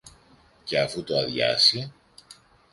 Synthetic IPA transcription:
ce̞ɐfut̪oɐðʝɐ̰si

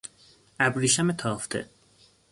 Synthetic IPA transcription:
æbɾiːʃæmet̪ʰɒːft̪ʰḛ

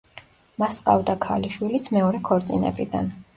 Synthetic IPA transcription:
masqʼa̰vd̪akʰaliʃwilit̪sʰmɛɔɾɛkʰɔɾt̪sʼinɛ̰bid̪a̰n

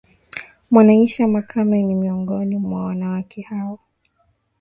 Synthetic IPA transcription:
mwanaiʃamakʰamanimiɔŋɡɔnimwawanawakʰɛhawɔ

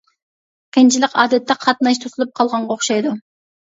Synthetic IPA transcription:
kʲʰent͡ʃʰiɪlɪkɑd̪et̪ːɛqʰɑt̪nɑjʃt̪ʰuzulˠup̚qʰɑlˠʁɑɴʁɑoqʃɑjd̪ʊ

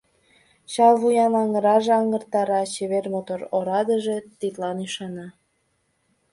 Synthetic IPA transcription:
t͡ɕɑlβujɑnɑŋəɾɑʒeɑŋərt̪ɑɾɑt͡ɕeβermot̪oɾoɾɑd̪əʒet̪it̪lɑnyʃɑnɑ

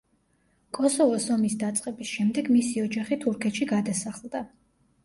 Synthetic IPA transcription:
kʼɔsɔvɔsɔmisd̪at̪sʼqʼɛbisʃɛmd̪ɛɡmisiɔd͡ʒaχit̪ʰuɾkʰɛt̪ʃiɡad̪asaχlˠd̪a

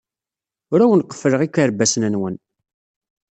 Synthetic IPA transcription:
ʊɾæwənqːə̥fːɾəʁikʷːəɾbæsnænwən

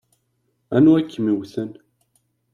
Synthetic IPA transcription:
ænuækːmiwθən

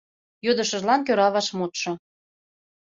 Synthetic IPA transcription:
jod̪ɤ̆ʃə̆ʒlɑnk̬øɾɑβɑʃmot̪ʃɤ̆

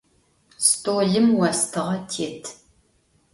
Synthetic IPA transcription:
stoːɮɨmwɐstʰɨʁɐtʰeːtʰ

